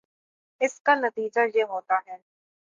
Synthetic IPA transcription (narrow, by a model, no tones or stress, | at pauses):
ɪskanɐt̪iːd͡ʒajeɦoːt̪aɦɛː